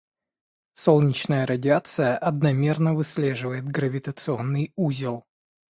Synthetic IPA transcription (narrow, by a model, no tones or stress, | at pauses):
so̞lˠnʲɪt͡ɕnəjəɾədʲɪat̪sɨjəʔɐd̪nɐmʲe̞rnəvɨsʲlʲeʐɨvəjɪt̪ɡɾəvʲɪt̪ət̪sɨo̞nːɨjuzʲɪlˠ